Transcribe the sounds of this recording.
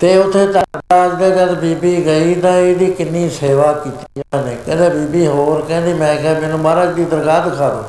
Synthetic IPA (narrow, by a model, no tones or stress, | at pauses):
t̪eːʊt̪ʰːeːt̪əad͡ʒd̪aːd͡ʒəɾbiːbiːɡəiːd̪ãːeːɽiːkɪnːiːseːʋaːkiːt̪ijaːneːkɛ̰̃ːnd̪eːbiːbiːɦoːɾkɛ̃ːnd̪iːmɛ̃ːkɛːmɛːnũːbaːɾaːd͡ʒd̪iːd̪əɾɡaːd̪ɪkʰaːd̪o̰ː